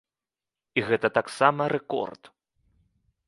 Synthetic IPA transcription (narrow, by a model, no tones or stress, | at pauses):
iɣɛt̪ɐt̪aksamɐɾɛkɔ̰rt̪